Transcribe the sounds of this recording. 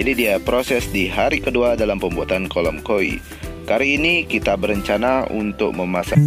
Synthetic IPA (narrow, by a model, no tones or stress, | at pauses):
adidiapɾosɛsdiɦaɾikəduadalampəmbuat̪ankolɔmkoḭ | kaɾiːnikit̪abəɾəɲt͡ʃanaṵnt̪ʊk̚məmasa